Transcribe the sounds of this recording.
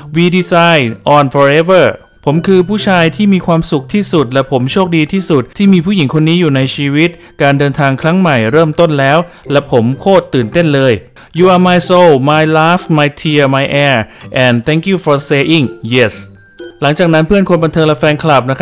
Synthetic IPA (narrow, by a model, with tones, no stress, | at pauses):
wiː˧di˧saː˧jʔɔː˨˩nfɔ˧ɾe˦˥wə˥˩ | pʰo˩˦mkʰɯː˧pʰuː˥˩t͡ɕʰaː˧jt̪ʰiː˥˩miː˧kʰwaː˧msu˨˩k̚t̪ʰiː˥˩su˨˩t̪̚lɛ˦˥pʰo˩˦mt͡ɕʰoː˥˩k̚diː˧t̪ʰiː˥˩su˨˩t̪̚t̪ʰːiː˥˩miː˧pʰuː˥˩ji˩˦ŋkʰo˧nːiː˦˥juː˨˩na˧jt͡ɕʰiː˧wi˦˥t̪̚ | kaː˧ndɤː˧nt̪ʰaː˧ŋkʰɾa˦˥ŋma˨˩jɾɤː˥˩mt̪o˥˩nlɛː˦˥w | lɛ˦˥pʰo˩˦mkʰoː˥˩t̪ːɯː˨˩nt̪e˥˩nlɤː˧j | juː˧ʔaː˨˩maː˧jso˧wmaː˧jlaː˦˥fmaː˧jt̪ʰi˧əɐmaː˧jʔɛː˧ʔɛ˨˩nt̪ʰɛ˦˥ŋkjuː˧˩fɔ˧seː˧ʔi˥˩ŋje˦˩s | la˩˦ŋt͡ɕaː˨˩k̚na˦˥npʰɯ˥˩ənkʰo˧nmba˧nt̪ʰɤː˧ŋlɛ˧˥fɛː˧nkʰla˨˩p̚na˦˥kʰ